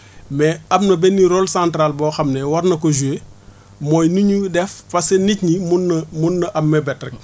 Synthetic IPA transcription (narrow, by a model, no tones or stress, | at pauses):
mɛɐbnɐbɛnːiɾɔlsãntɾalbɔːxɐmnɛwɐrnɐkɔʒue | mɔːjniɲudɛfːɐsenicɲimunːɐmunːɐʔɐmːɛbɛtrɛk̚